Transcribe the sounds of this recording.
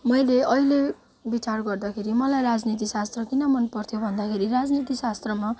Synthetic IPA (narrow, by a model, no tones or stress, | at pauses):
mʌjleʌjle | bit͡sarɡʌrd̪akʰeɾimʌlajrad͡znit̪isast̪rʌkinʌmʌnpʌrt̪ʰjobʱʌnd̪akʰeɾirad͡znit̪isast̪rʌma